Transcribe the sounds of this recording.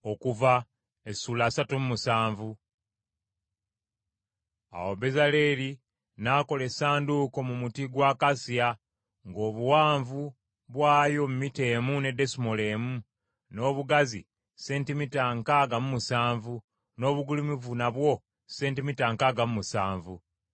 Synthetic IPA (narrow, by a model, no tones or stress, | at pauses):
o̞kuva | esuːlaːsatumumusaːɱvu | a̰wobe̞zale̞ɾi | naːko̞lesaːnduko̞mumutiɡwaːkasia | ŋɡo̞ːβuwaːɱvu | βwaːjo̞mumite̞ːmune̞de̞simole̞ːmu | no̞ːβuɡazḭ | se̞ːntimitaŋkaɡamumusaːɱvu | no̞ːβuɡulimivunaβwo̞ | se̞ːntimitaŋkaɡamumusaːɱvu